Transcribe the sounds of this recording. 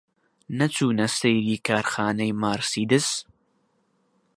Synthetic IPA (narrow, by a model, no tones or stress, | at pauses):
nɐt͡suːnɐsɐjd̪iːkʰaːɾxaːnɐjmaːɾsiːd̪ɨs